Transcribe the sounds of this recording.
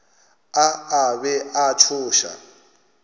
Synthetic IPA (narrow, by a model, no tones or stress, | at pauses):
aabɛʔat͡ʃʰʊːʃa̰